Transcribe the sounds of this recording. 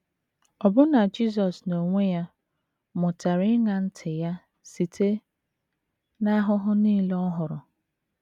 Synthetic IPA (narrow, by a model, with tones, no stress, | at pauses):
ɔ˨bʊ˦na˨d͡ʒi˦s̬ɔ˨sno˨ŋʷe˦ja˦ | mʊ˨ta˨ɾɪ˦ɪ˦ŋa˨n̩˦tʰɪ˨ja˦ | si˨tʰe˦ | na˦ɦʊ˦ɦʊ˦niː˦le˦ɔ˦ɦʊ˨ɾʊ˨